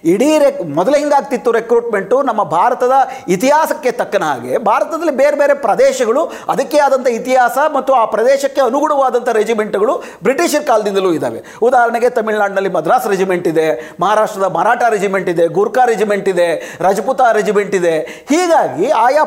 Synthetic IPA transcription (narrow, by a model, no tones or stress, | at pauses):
iɽiːɾemɔd̪ɐlɐɦiŋɡaːɡ̚t̪it̪ːuɾe̞kɾuːʈme̞ɳʈunɐmːɐbʱaːɾɐt̪ɐd̪ɐit̪iɦaːsɐkːe̞t̪ɐkːɐnɐɦa̰ːɡe̞bʱaːɾɐt̪ɐd̪ɐlːibeːɾebeːɾe̞pɾɐd̪ɛːʃɐɡɐɭu | ɐd̪ɐkːeaːd̪ɐnt̪ʰɐit̪iɦaːsɐmɐt̪ːuaːpɾɐd̪ɛːʃɐkːeɐnuɡuɽɐʋaːd̪ɐnt̪ʰɐɾed͡ʒime̞ɳʈuɡɐɭu | bɾiʈiːʃɐɾkaːld̪ind̪ɐluːid̪a̰ːʋe̞̰ | ud̪aːɦɐɾɐɳeɡet̪ɐmiɭnaːɖnɐlːimɐd̪ɾaːsɐɾed͡ʒimeɳʈid̪e̞mɐɦaːɾaːʂʈɾɐd̪ɐmɐɾaːʈaɾed͡ʒime̞ɳʈid̪e̞ɡuɾkaːɾed͡ʒimeɳʈid̪e̞ɾɐd͡ʒɐput̪aːɾed͡ʒime̞ɳʈid̪e̞ | hiːɡaːɡiaːja